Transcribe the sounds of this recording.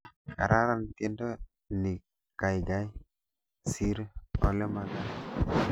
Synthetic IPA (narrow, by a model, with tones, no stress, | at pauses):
ka̰˨ɾʔa˦ɾa˦˨nti˦ndo˦ | ni˨ | ka˨jɡa˦j | si˦ɾo˨le˦ma˨ɡa˦